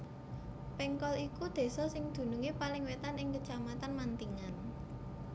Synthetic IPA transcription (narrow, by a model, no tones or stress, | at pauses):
pɛŋkɔlikud̪̥e̤sɔsɪŋd̪̥ṳnuŋepalɪŋwet̪anɪŋkət͡ʃamat̪anmant̪iŋan